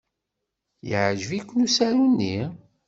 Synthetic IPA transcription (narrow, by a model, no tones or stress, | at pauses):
jəʕʒvikʷːnusæɾunːi